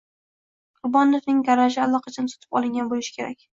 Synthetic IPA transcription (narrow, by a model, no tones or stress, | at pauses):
qʰʊɾbɒnofnɪŋɡaɾaʒɪalˠɒqʰɑt͡ʃʰɪnɪso̥t̪ʰɪ̥pɒ̰lˠɪŋɡʲanbolɪʃɪ̥kʲʰe̞ɾakʲ